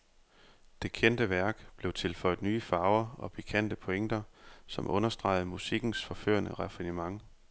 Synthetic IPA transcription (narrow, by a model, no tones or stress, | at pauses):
d̥e̝kʰen̰d̥əʋæɐɡ̥b̥le̝ʊt͡sʰe̝lfɒ̽ɪð̩ˠnyːəfɑ̈ːʊɐɒ̽pʰikʰæn̰d̥əpʰoeŋ̰d̥ɐsɒ̽mʔɔ̽nɐsd̥ʁɑ̈ɪð̞̩ˠmusiɡ̥n̩sfɒ̽fø̰ːɐnəʁɛfinimɑ̈ŋ